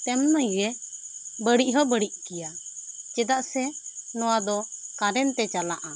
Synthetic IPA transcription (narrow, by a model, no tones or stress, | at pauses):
t̪ɛmnajɾɛ | bəɽiʔɦɔbəɽiʔkijad͡ʒɛd̪aʔsɛnɔwad̪ɔkaɾɛnt̪ɛt͡ʃalaʔa